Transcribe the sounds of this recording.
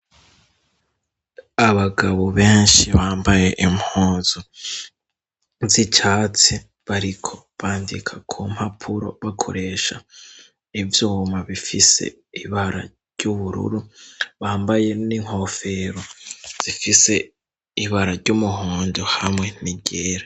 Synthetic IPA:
aβaɡaβoβeːnʃiβaːmbaje̞ʔimhoːzo | zit͡ʃaːt͡si | βaɾikʰo̞ | βaːndḭkʰakʰum̥hapʰuɾo̞̰βakʰo̞̰ɾe̞ːʃa | ivjuːmaβifise̞̰ | iβaɾa̰ | ɾɟuβuɾṵɾuβaːmbaje̞niŋ̥ho̞fe̞ɾo̞z̥ifise̞ | iβaɾaɾɟumuɦuːndohamŋe̞niɟeːɾa

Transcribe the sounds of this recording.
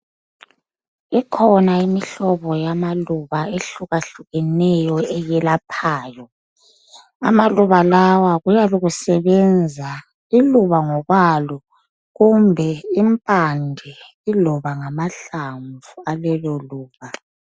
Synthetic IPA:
ikʰɔnaimiɬɔβɔjamaluβaeɬuɣaɬuɣɛnɛjɔɛjɛlapʰaːjɔ | a̰maluβalawaɣujaluɣusɛβɛnd͡zʱa | iluβaŋɔɣwalɔ | ɣumbʱɛimpʼandʱɛ | ilɔβaŋamaɬaɱvualɛlɔluːβa

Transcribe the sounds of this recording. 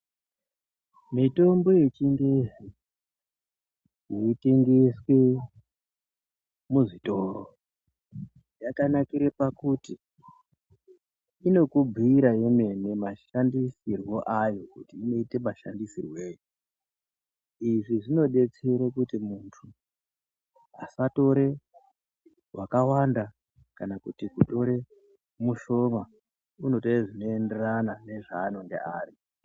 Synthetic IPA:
mito̞mbo̞je̞t͡ʃiŋɡe̞ | ɦiite̞ŋɡe̞swe̞ | muʐito̞ɾo̰ | jakanakiɾepakuti | ino̞kub͡vʱiiɾajo̞me̞ne̞maʃandisirwo̞ʔajo̞kutiːno̞ite̞maʃa̰ndisirweːjo | iʐiʐino̞ɗe̞t͡seɾekutimuntʰu | a̰sato̞ɾe̞ | wʔakawanda | kanakutikuto̞ɾe̞ | muʃo̞ma | uno̞teiʐino̞ende̞ranane̞ʐaːnoŋɡḛʔaːri

